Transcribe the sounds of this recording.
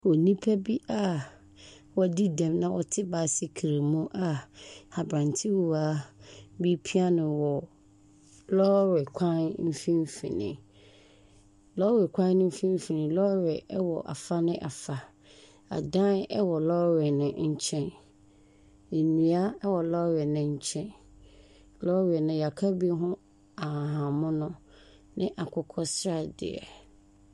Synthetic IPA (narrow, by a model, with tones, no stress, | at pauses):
wɔ˨nĩ˦pʰɛ˦bi˦ʔa˦ | wɔ˨di˦dɛ̃˨mnã˦wʔɔ˨tʰɪ˦ba˨si˦kʰi˨ɾe˨mũ˦ʔa˦a˨bɾã˨ntʰɪ˦wu˨a˦bi˦pʰi˦a˦nʊ̃˨wɔ˨ | lɔ˦ɾɛ˨kʷʰã˦nm̩˦fĩ˦m˦fḭ̃˨nɪ̰̃˨ | lɔ˦ɾɛ˨kʷʰã˦nnɪ̃˦m̩˦fĩ˦m̩˦fi˨nɪ̃˨lɔ˦ɾɛ˨ɛ˦wɔ˨ʔa̰˨fa˦nɪ̃˦ʔa˨fa˨ | a̰˨dã˦nɛ˦wɔ˨lɔ˦ɾɛ˨nʊ̃˨ɲ̩˦t͡ɕʰɛ̃˦n | e˨nĩ˨a˦ɛ˦wɔ˨lɔ˦ɾɛ˨nɪ̃˨ɲ̩˦t͡ɕʰɛ̃˦n | lɔ˦ɾɛ˨nʊ̃˨ja˨kʰa˦bi˦ɦʊ̃˦ | a˨ɦã˨mʊ̃˦nʊ̃˦ | nɪ̃˦ʔa˨kʰʊ˦kʰɔ˦sɾa˦dɪ̰˨ɛ̰˨